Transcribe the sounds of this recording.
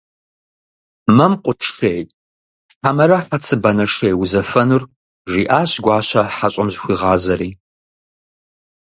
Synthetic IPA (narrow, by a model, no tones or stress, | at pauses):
mɐmqʷʼʊtʰʂejtʼ | ħamɐɾɐħɐt͡sʰɨbɐnɐʂejwʊzɐfɐnur | ʒiːʔaːɕɡʷɑːɕɐħaɕʼɐmʑxʷiːʁɑːzɐɾiː